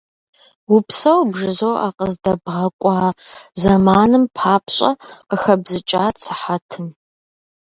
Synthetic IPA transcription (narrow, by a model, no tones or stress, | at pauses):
wʊpʰsɐwbʐɨzoːʔa̰qəzdɐbʁɐkʷʼaːzɐmaːnɨmpʰaːpʰɕʼɐ̰qəxɐbzɨt͡ʃʼaːt͡sʰɨ̥ħatʰɨm